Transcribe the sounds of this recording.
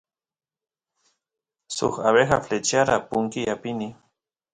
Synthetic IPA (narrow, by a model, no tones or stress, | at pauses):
sʊ̰χaβexaflet͡ʃaɾapʊŋkiapɪni